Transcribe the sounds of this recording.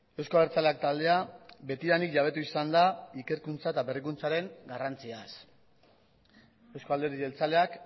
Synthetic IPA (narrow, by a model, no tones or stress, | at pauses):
e̞wsko̞aβeɾt͡saleak̚t̪ald̪e̞abe̞t̪iɾanikʝaβ̞e̞t̪uisand̪aike̞ɾkunt͡saet̪aβerikunt͡saɾe̞ŋɡarant͡sias | e̞wsko̞ald̪e̞ɾiðelt͡saleak